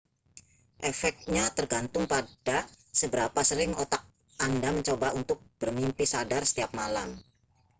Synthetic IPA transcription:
ʔɛfɛk̚t̪̚ɲat̪ərɡant̪ʊŋpad̥a | səbəɾapasəɾɪŋot̪ak̚ | andaməɲt͡ʃobaunt̪ʊk̚b̥ərmimpisadarsə̥t̪iap̚malam

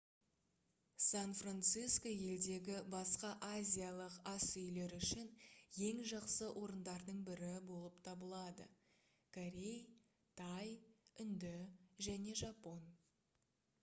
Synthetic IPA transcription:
sanfrant̪sijsko̞je̞ld̪e̞ɡʲɪbɑsqɑʔazʲijalˠəqɑsʏjle̞ɾʏʃɪnje̞ŋʒɑqsəwʔo̞ɾənd̪ɑɾd̪əɴbɪɾɪbo̞lˠəpt̪ʰɑbəlˠɑd̪ə̰ | kʰoɾʲe̞j | t̪ʰɑjʏnd̪ɪʒæne̞ʒɑpo̞n

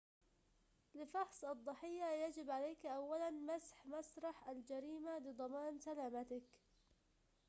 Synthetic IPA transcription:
lɪfɑħsˤɑd̪ˤːɑħɪjːajad͡ʒɪbʕaleːkʔawːalanmasħmasɾˤɑħʔald͡ʒaɾiːmalɪd̪ˤɑmɑːnsalaːmat̪ɪk

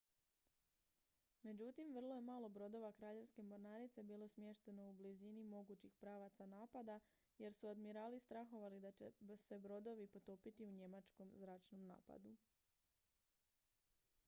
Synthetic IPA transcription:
me̞d͡ʑut̪imʋr̩lˠo̞je̞maːlˠo̞bɾo̞d̪o̞ʋakɾaːʎe̞ʋske̞mo̞ɾnaːɾit̪se̞biːlˠo̞smjeʃt̪e̞no̞ublizinimo̞ɡut͡ɕixpɾaːʋat̪sanaːpad̪a | je̞ɾsuod̪miɾaːlist̪ɾaxo̞ʋalid̪at͡ɕese̞bɾo̞d̪o̞ʋipo̞t̪oːpit̪iuɲe̞mat͡ʃko̞mzɾaːt͡ʃno̞mna̰ːpa̰d̪u

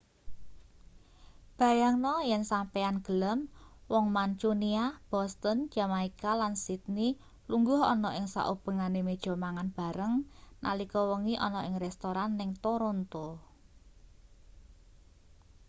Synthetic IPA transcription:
b̥a̤jaŋnɔjɛnsampɛanɡ̥ə̤ləmwɔŋmant͡ʃuniab̥ɔ̤st̪ənd͡ʒ̥a̤maikalansit̪̚ni | luŋɡʊɦɔ̰nɔʔɪŋsa̰ʔub̥ə̤ŋanemed̥ʒ̥ɔ̤maŋanb̥a̤ɾəŋna̰likɔwəŋiʔɔnɔɪŋrɛst̪oɾanːɪŋt̪oɾont̪ɔ

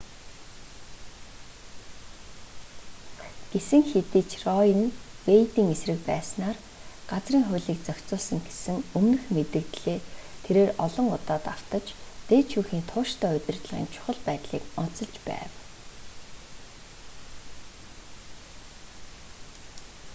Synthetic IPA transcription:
ɡ̥esɘ̆ŋxet̪iːt͡ɕʰrɔjə̆nwejt̪iːŋesrɘ̆k̚pæ̰ːsnaːr | ɢat͡sriːŋχʊ̟ːɮiːk̚t͡sœkʲt͡sʊːsə̆ŋɡe̥sɘ̆ŋɵmnɘ̆xmet̪ɘ̆kt̪ɮeːt̪ʰeɾeːrɔɮɞ̆ŋʊt̪aːt̪aw̥t̪ə̆t͡ɕt̪eːt͡ɕʰuːxiːnt̪ʰʊːʃt̪ʰœːʊt̪ʲɪ̆rt̪ɮʁḭːnt͡ɕʰʊ̥χə̆ɮpæːt̪ɮiːkʊt͡sə̆ɮt͡ɕpæ̰ːw

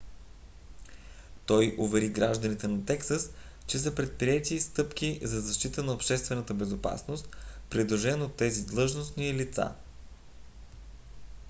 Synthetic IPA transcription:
t̪ɔjʔovɛɾiɡɾaʒd̪ənit̪ɛnɐt̪ɛksəs | t͡ʃɛs̬əpɾɛt̪̚pɾiɛt̪ist̪ɤpkizɐzɐʃt̪it̪ənɐopʃt̪ɛst̪vɛnət̪əbɛzopa̰snost̪̚pɾid̪lˠoʒɛnot̪ːɛzid̪lˠɤʒnosnilit̪sa̰

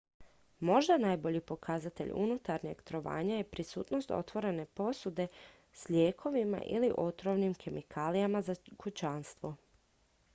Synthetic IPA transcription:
mo̞ʒd̪anajbo̞ʎipo̞kʰazat̪e̞̰ʎṵnut̪aɾɲḛɡt̪ɾo̞ʋa̰ːɲaje̞pɾisuːt̪no̞st̪o̞̰t̪ʋo̞ɾe̞ne̞po̞sud̪e̞ | sʎeːkʰo̞ʋima̰ʔḭliʔo̞t̪ɾoʋnimkʰe̞mikʰaːlijamazakut͡ɕanst̪ʋo

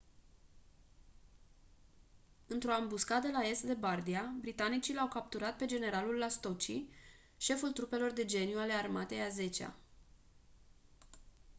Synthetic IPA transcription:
ɨnt̪ɾo̞ambuskad̪əlae̞st̪d̪e̞bard̪iabɾit̪anit͡ʃilawkap̚t̪uɾat̪̚pe̞d͡ʒe̞ne̞ɾalulːast̪o̞t͡ʃi | ʃe̞fult̪ɾupe̞lo̞rd̪e̞d͡ʒe̞njuale̞armat̪e̞jaze̞t͡ʃea̰

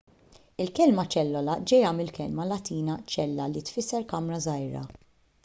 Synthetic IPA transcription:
ɪlkɛlmɐt͡ʃɛlːɔlɐd͡ʒɛjɐmɪlkɛlmɐlɐt̪iːnɐt͡ʃɛlːɐlit̪fɪsːɛɾkɐmɾɐzɐjɾɐ̰

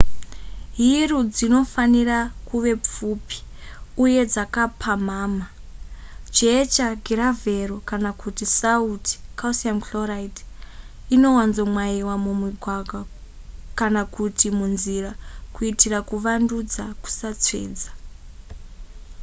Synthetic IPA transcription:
ɦirud͡zino̞fanirakuʋe̞p͡fupi̥uje̞d͡zakapʰamaːma | d͡ʒet͡ʃaɡiɾaverokanakutisauti̥kawsiamklorait | ino̞wanzomwaiwamumiɡʱwaɡʱwa | kanakutimunzirakuitirakuʋandud͡zaku̥sat͡sḛːd͡zḁ

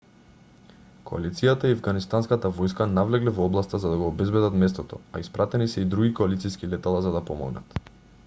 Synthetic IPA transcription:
koa̰lit̪sijat̪aiavɡanist̪anskat̪avɔjskanavlɛɡlɛvɔɔblˠast̪azad̪aɡɔːbɛzbɛd̪at̪mɛst̪ɔt̪ɔ̰a̰ispɾat̪ɛnisɛid̪ɾuɡʲikɔalit̪siskilɛt̪alˠazad̪apɔmɔ̰ɡna̰t̪

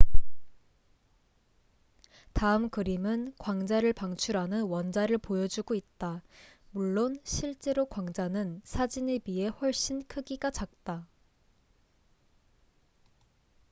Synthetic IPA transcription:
taɯmkɯɾimɯnkwaŋd͡ʑaɾɯɭpaŋt͡ɕʰuɾɦanɯnwʌnd͡ʑaɾɯɭpojʌd͡ʑuɡoit̚t͈amuɭːonɕʰiɭt͡ɕ͈e̞ɾokwaŋd͡ʑanɯnsʰad͡ʑine̞bie̞ɸwʌɭɕ͈inkʰɯɡiɡat͡ɕak̚t͈a

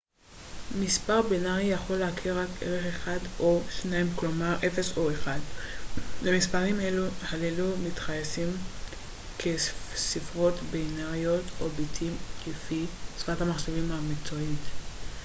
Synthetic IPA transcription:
mispaʁbinaʁijaχo̞leakʰiʁakḛʁeχeχadoʃnaimklomaʁʔefesoeχad̪ | lemispaʁimeluhalelumit̪χajesim | kʰesifʁo̞t̪binaʁiotobit̪ʰimlefisfʁathamaχʃevimhamikt͡soit̪

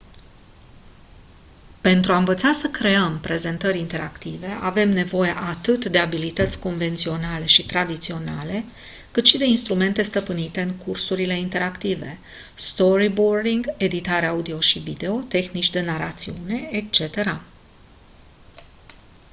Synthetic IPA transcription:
pe̞nt̪ɾuaɨɱvət̪sasəkɾe̞əmpɾe̞ze̞nt̪əɾʲint̪e̞ɾakt̪ive̞ʔa̰ve̞mne̞vo̞jeʔat̪ɨt̪d̪e̞abilit̪ət̪sʲko̞nve̞nt̪sio̞nale̞ʃit̪ɾad̪it̪sio̞na̰le̞ | kɨt̪ʃid̪e̞inst̪ɾume̞nt̪e̞st̪əpɨnit̪e̞ɨŋkursuɾile̞int̪e̞ɾakt̪ive̞̰ | st̪o̞ɾibord̪iŋɡe̞d̪it̪aɾeaud̪io̞ʃivḭd̪e̞o̞t̪e̞xnit͡ʃʲd̪e̞naɾat̪siune̞ek̚t͡ʃe̞t̪e̞ɾa

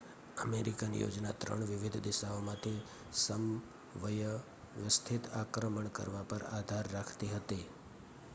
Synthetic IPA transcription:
əmeɾikanḭjo̰d͡ʒna̰t̪ɾə̰ɳʋɪʋɪd̪ʱd̪ɪʃaomãt̪ʰi | səm | ʋəjə | ʋəst̪ʰɪt̪akɾəməɳkə̰ɾʋapəɾa̰d̪ʱaɾːakʰt̪iɦət̪i

